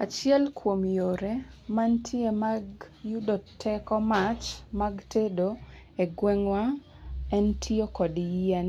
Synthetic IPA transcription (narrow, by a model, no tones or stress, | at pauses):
at͡ʃɪɛlkʰwomjoɾemantʰiemaɡ | judotʰːɛkɔmat͡ʃmaɡtʰedo | eɡwɛŋwa | ɛntʰiokɔdjian